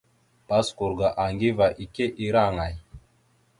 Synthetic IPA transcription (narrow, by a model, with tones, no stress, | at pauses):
pa˦sku˨ɾɡa˨ʔa˨ŋɡi˦va˨ʔi˨ke˦ʔi˦ɾa˦˨ŋa˨j